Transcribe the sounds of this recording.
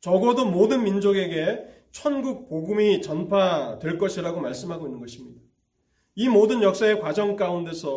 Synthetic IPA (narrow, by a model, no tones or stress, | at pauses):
t͡ɕʌɡʌdomodɯnmind͡ʑoɡe̞ɡe̞ | t͡ɕʰʌnɡuk̚p͈oɡumit͡ɕʌnpʰatweɭk͈ʌɕʰiɾaɡomaɭs͈ɯmɦaɡoinːɯnɡʌɕʰimɲida | imodɯnjʌk̚s͈ae̞kwad͡ʑʌŋk͈aunde̞sʰʌ